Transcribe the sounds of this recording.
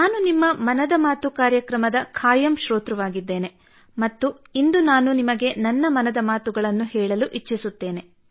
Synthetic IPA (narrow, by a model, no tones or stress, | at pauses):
nnaːnunimːɐmɐnɐd̪ɐmaːt̪ukaːɾjɐkɾɐmɐd̪ɐkʰaːjɐmʃɾoːt̪ɾɐʋaːɡid̪ːe̞ːne̞ | mɐt̪ːu | ind̪unaːnunimɐɡe̞nɐnːɐmɐnɐd̪ɐmaːt̪uɡɐɭɐnːuhɛːɭɐluʔit͡ʃːisut̪ːe̞ːne̞